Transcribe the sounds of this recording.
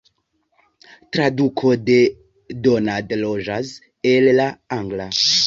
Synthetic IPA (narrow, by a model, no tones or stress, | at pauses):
tɾadukʰode | donadlod͡ʒas | elːaaŋɡla